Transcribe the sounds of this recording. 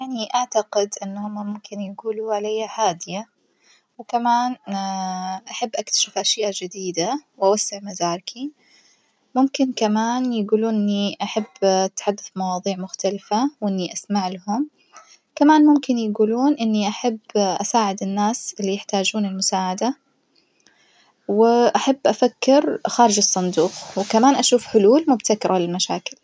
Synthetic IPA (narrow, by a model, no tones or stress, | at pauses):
jaʕniʔaʕt̪aɡɪd̪ʔɪnːhʊmːamʊmkɪnjɪɡuːluʕalajːaħaːd̪ɪja | wɪkamaːn | ʔaħabːʔakt̪ḁʃɪfʔaʃjaːʔad͡ʒɪd̪iːd̪awʔawasːɪʕmad̪aːɾˤkʰi | mʊmkɪnkamaːnjɪɡuːluːnʔnːiʔaħabːt̪ħad̪ːɪθmɑwɑːðˤiːʕmʊxt̪alfawʔɪnːiʔasmaʕlahʊm | kamaːnmʊmkɪnjaɡuːluːnʔɪnːiʔaħabːʔa̰saːʕɪd̪ɪnːaːsʔɪlːijɪħt̪aːd͡ʒuːnɪlmʊsaːʕad̪a | wɪʔaħabːʔafakːɪɾxaːɾɪd͡ʒɑsˤːɑnd̪uːxwkamaːnʔaʃuːfħʊluːlmʊbt̪akɪɾˤalɪlmaʃaːkɪl